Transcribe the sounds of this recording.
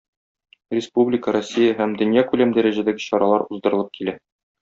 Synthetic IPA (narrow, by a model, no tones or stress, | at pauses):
rʲɪspublʲɪkəɾosʲːijəɦæmd̪ɵ̆njækʉlæmd̪æɾæʑæd̪æɡɘɕɒɾɑlˠɑɾuzd̪ɤ̆ɾɤ̆lˠɤp̚kilæ